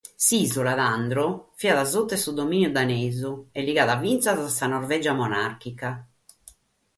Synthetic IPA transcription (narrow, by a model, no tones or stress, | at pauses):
sizulaðand̪ɾɔfiaðazot̪ːɛsud̪omiːnjud̪aneːzuɛlːiɣaːðavːint̪sazasanɔɾvɛd͡ʒamɔnaɾkika